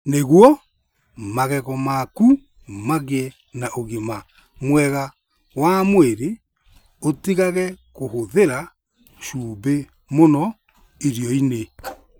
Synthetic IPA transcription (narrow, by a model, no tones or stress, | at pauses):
neɣwɔ | maɣɛɣɔmaku | maɣɛ | naʔoɣima | mwɛɣa | wamweɾe | otiɣaɣɛkohoðeɾa | ʃuːbe | monɔ | iɾjɔine